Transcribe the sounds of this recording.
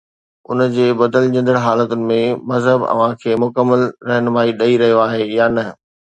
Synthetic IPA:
ʊ̰nəd͡ʑeːbɐd̪əlɲɐ̃nd̪əɽɦaːlət̪ʊnɪ̆mẽmɐzɦəbɐ̰ʋ̤ãkʰeːmʊkəmːəlɾɐɦnʊʋaːiɗɐiɾɐɦijoaːɦejaːnɐ

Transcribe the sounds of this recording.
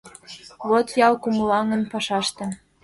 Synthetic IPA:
βot̪jɑlkumulɑŋənpɑʃɑʃt̪ĕ

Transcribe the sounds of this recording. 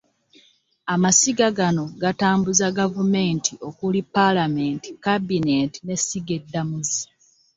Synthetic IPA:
amasiɡaɡano̞ɡataːmbuzaɡavume̞ːntʰiʔo̞kulipalame̞ːnti̥kabinenti̥ne̞siɡe̞dːamuzi

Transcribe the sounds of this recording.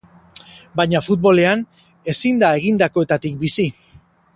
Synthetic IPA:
bajɲafut̪̚βo̞le̞an | e̞sind̪ae̞ɣ̞ind̪ako̞et̪at̪ik̚bisi

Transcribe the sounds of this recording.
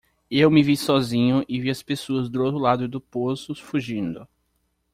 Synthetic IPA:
ewmɪvisɔzĩɲʊʔɪviɐspesoɐzd̪ʊowt̪ɾʊlad̪ʊɪd̪ʊposʊfuʒĩnd̪ʊ

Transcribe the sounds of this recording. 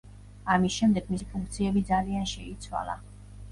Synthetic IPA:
amisʃɛmd̪ɛɡmisipʰuŋkʰt̪sʰiɛbid̪zalianʃɛit̪sʰwa̰lˠa̰

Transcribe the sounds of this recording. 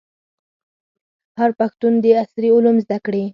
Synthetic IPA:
haɾpaxt̪und̪əasɾiʊlumzd̪akɽi

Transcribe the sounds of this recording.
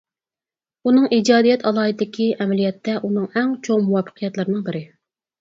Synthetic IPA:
unɨŋid͡ʒɑːd̪ijɛt̪ʰɑlˠɑːid̪ɪkʲiʔɛmɛlijɛt̪ʰːɛʔunɨŋæŋt͡ʃʰoŋmuwɑfə̥qʰijɛt̪lˠɨɾɨnɨŋbɪɾɪ

